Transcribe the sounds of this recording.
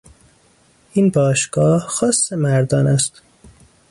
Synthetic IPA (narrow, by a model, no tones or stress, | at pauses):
ʔinbɒːʃɡ̥ɒːhxɒːsːemæɾd̪ɒːnæst̪